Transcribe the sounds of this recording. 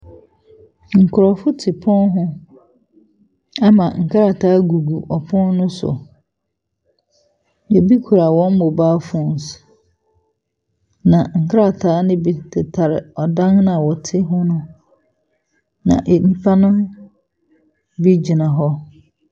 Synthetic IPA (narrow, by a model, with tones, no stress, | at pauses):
ŋ̩˨kʰʊ˨ɾɔ˨fʊ˦tʰɪ˨pʰɔ̃˦nɦʊ̃˦ | a˦mã˨ŋ̩˨kʰa˦ɾa˨tʰaː˦ɡu˨ɡu˨ʔɔ˨pʰɔ̃˦nnʊ̃˦sʊ̰˨ | jɛ˨bi˦kʰu˨ɾa˨wɔ̃˦m˦mʊ˨baː˦fɔ˦˨n˨s | nã˨ŋ̩˨kʰa˦ɾa˨tʰaː˦nɪ̃˦bi˨tɪ˨tʰa˨ɾɪ̰˨ɔ˨dã˦ŋñ˦a˨wɔ˨tʰɪ˦ɦʊ̃˦nʊ̃˦ | nã̰˨ʔm̩˦pʰa˦nʊ̃˦m | bi˦d͡ʑi˨nã˨ɦɔ˦